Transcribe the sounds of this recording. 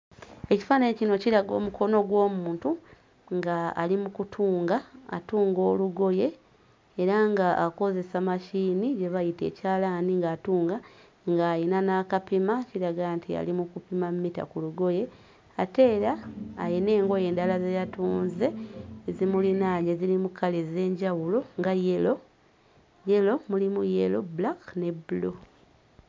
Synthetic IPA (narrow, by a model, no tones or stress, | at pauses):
e̞ci̥faːnaɲecino̞ciɾaɡo̞̰ːmukʰo̞no̞ɡwo̞ːmuːntu | ŋɡa̰ːlimukutʰuːŋɡaa̰tuːŋɡo̞ːluɡo̞je̞ː | ɾaŋɡaako̞ze̞samaʃiːniɟe̞βajite̞̰ːcaːlaːniŋɡaːtuːŋɡa | ŋɡaːjinanakapimaciɾaɡantia̰limukupimammita̰kuluɡo̞je̞ | ate̞ːɾaːjine̞ːŋɡo̞je̞ːndalazejatuːnze̞zimulinaːɲɟezilimukʰːaleze̞ːɲɟawulo̞ŋɡaje̞lo̞ | je̞lo̞mulimujḛlo̞̰blakne̞bulo